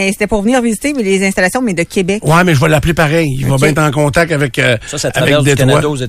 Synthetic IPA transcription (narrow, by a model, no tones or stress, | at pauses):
ɛse̥t̪ɛpuʁvəniːʁvizit̪emlezɛ̃st̪alasjɔ̃mɛd̪əkʲebɛkwɛmɛʒəvɐlːaplepaʁɛjivɔbɛ̃ɛt̪ʁɑ̃kɔ̃t̪ak̚t̪avɛkəsɔsaavɛkd̪et̪awad̪z